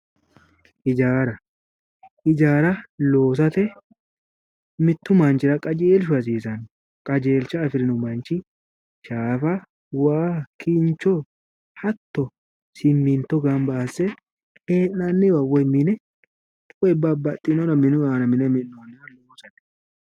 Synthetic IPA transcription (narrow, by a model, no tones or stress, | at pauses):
ʔɪd͡ʒaːɾɐ | ʔɪd͡ʒaːɾɐloːs̬ɐt̪ɛ | mɪt̪ːʊmant͡ʃɪɾɐkʼɐd͡ʒeːlʃ̬ʊɐs̬iːs̬ɐn | kʼɐd͡ʒeːlt͡ʃɐːfɪɾɪnʊmɐnt͡ʃɪ | ʃaːfɐ | waːkʰɪnt͡ʃɔ | hɐt̪ːɔ | sɪmːint̪ɔɡambaːsːɛ | eːnːanːɪwɐwɐmɪnɛ | tʼwɛbːabɐt̪ʼːɪnɔnɐmɪnʊaːnɐmɪnɛmɪnːonːɪwɐloːsɐt̪ɛ̥